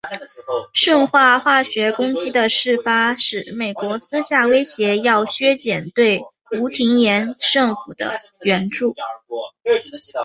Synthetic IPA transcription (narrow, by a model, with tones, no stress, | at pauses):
ʂɤ˥˧ŋxwa˥˧xwa˥˩ɕɥɛ˧˥kʊ˥ŋt͡ɕi˥d̪ə˨ʂɻ̩˥˩fa˥ʂɻ̩˨˩me˨˩ɪkwɔ˧˥sɹ̩˥ɕja˥˩we˥ɪɕjɛ˧˥jɑ˥˩ʊɕɥɛ˥t͡ɕjɛ˨˩nt̪we˥˩ɪ | u˧˥t̪ʰi˧˥ŋjɛ˧˥nʂɤ˥˩ŋfu˨˩d̪ə̰˦ɥɛ˧˥nʈ͡ʂu˥˩